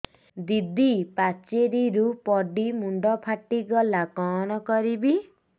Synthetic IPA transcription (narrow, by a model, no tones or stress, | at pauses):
d̪id̪ipat͡ʃeɾiɾupɔɖimuɳɖɔpʰaʈːiɡɔlakɔːñɔkɔɾibi